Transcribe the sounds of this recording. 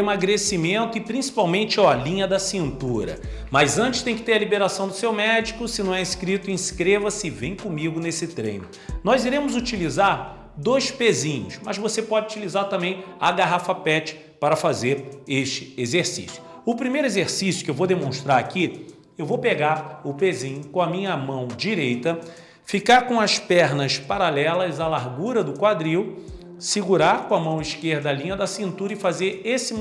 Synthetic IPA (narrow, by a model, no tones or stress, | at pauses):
maɡɾesimẽnt̪ʊɪpɾĩsi̥pawmẽnt͡ʃɪɔalĩɲɐd̪ɐsĩnt̪uɾɐ̰ | mɐzɐ̃nt͡ʃɪ̥st̪ẽj̃kɪ̥t̪eɾɐlibeɾasɐ̃w̃d̪ʊsewmɛd͡ʒikʊsɪnɐ̃w̃ɛĩskɾit̪ʊĩskɾevɐsɪvẽj̃kõmiɡʊnesɪt̪ɾḛ̃j̃nʊ | nɔziɾẽmʊzut͡ʃilizaɾ | d̪ojspezĩɲʊsmɐzvosepɔd͡ʒɪut͡ʃilizaɾt̪ɐ̃mbẽj̃a̰ɡaɦafɐpɛt͡ʃɪ̥ | paɾɐfazeɾeʃt͡ʃɪ̥ezeɾsḭsjʊ̥ʊpɾimejɾʊezeɾsisjʊkɪewvowd̪emõʃt̪ɾaɾaki | ewvowpeɡaɾʊpezĩɲʊkõɐmĩɲɐmɐ̃w̃d͡ʒiɾejt̪ɐ | fikaɾkõɐspɛɾnɐspaɾalɛlɐzalaɾɡuɾɐd̪ʊkwad̪ɾiw | siɡuɾaɾkõɐmɐ̃w̃iʃkeɾd̪ɐalĩɲɐd̪ɐsĩnt̪uɾɐɪfazeɾesɪ